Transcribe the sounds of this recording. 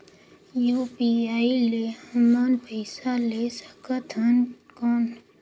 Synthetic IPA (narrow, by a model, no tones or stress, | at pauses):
juːpiaːilehəmaːnpʰəɪsalesə̥kət̪ʰənkɔːn